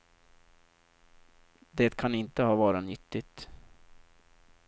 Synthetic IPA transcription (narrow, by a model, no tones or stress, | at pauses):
d̪eːt̪kʰanɪnt̪əhɑːvɑːɾanʏt̪ːɪt̪